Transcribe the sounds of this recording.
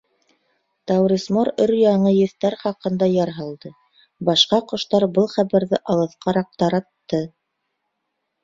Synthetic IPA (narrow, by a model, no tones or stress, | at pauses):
t̪ɑwɾismoɾɵɾjɑɴɤjɵ̆θt̪æɾχɑqɤ̆nd̪ɑjɑɾɦɑlˠd̪ɤ | bɑʃqɑqŏʃt̪ɑɾbɤlˠχæβæɾðɘʔɑlˠɤ̆θqɑɾɑq̚t̪ɑɾɑt̪ːɤ